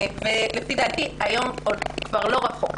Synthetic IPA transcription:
velefidaːtiajo̞modkvaʁlo̞ʁaχo̞̰k

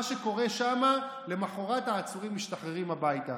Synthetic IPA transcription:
aʃe̞ko̞ʁe̞ʃama | le̞maχo̞ʁataːt͡suʁimːiʃtaχʁeʁimabajta

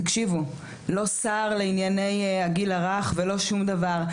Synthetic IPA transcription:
akʃivu | lo̞saːʁleinjane̞jaɡilaʁaχvelo̞ʃumd̪avaʁ

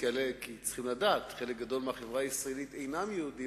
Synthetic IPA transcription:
elekit͡sχimladaːt̪χelek̚ɡad̪o̞lmeaχevʁaisʁaelit̪ejnamjeud̪i

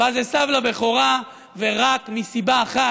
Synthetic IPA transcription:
azesavlabeχoʁa | veʁakmisibaːχa

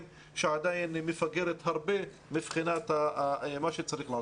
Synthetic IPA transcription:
m | ʃeʕad̪ajinmefaɡeɾet̪haɾbe | mibχinat̪amaʃet͡saɾiχla

